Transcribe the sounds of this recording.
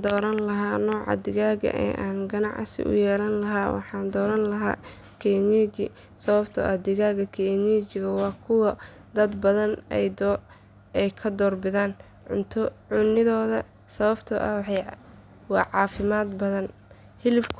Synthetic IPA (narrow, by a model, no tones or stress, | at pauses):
d̪ɔːɾɐnlɐɦaːnɔːʕɑ̰d̪ɪɣaːɣɐ̰ʔɛ̰ːʔaːnɡɐnɑ̰ʕsɪ̰ʔʊ̰jɛːlɐnlɐɦaːwɑ̰ħɑːnd̪ɔːɾɐnlɐɦa̰ː | kʰɛnɛt͡ʃɪ | sɐβɐbt̪ʰɔ̰ʔɐd̪ɪɣaːɣɐkʰɛnɛːt͡ʃɪɣɐwɑːkʰʊwɐ | d̪ɐd̪bɐðɐnɛjd̪ | ɛjkʰɐd̪ɔːrbɪðaːn | ʕʊ̰nt̪ʰʊʕʊnɪðɔːðɐ | sɐβɐbt̪ʰɔʔɐw | wɑːʕɑːfɪmaːd̪bɐðɐn | hɪlɪbkʰ